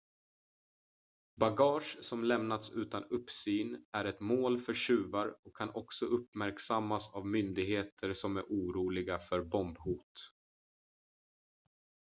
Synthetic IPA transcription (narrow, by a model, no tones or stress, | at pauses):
baɡɑːʂsɔmlɛmnat̪sʉ̟ːt̪anɵpːsyːnæɾɛt̪moːlfœɾɕʉ̟ːvaɾɔkʰːanɔksɔʔɵpmæɾksamːasavmʏnd̪ɪɡheːt̪ʰəɾsɔmæɾʔuːɾuːlɪɡafœɾbɔmbhuːt̪